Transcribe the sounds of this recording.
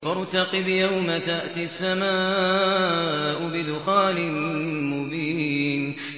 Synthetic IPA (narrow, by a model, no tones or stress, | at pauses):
ɑɾˤt̪ɑqɪbjawmat̪aʔt̪iasːamaː | ʔʊbɪd̪ʊxaːlɪmmʊbiːn